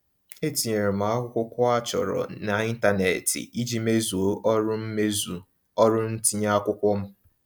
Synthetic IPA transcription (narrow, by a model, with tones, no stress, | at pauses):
e˦ti˨e˨ɾe˨m̩a˨˦a˦kʷʊ˦kʷʊ˦kʷɔ˦a˦t͡ʃɔ̰˨ɾɔ̰˨na˨i˦n̩˦ta˦nḛ˨tḭ˨i˦d͡ʒi˦me˦zu˨o˦ʔɔ˦ɾʊ˦m̩˦me˦zu˨ | ɔ˦ɾʊ˦n̩˦ti˦ɲa˦a˦kʷʊ˦kʷɔ˦m̩˦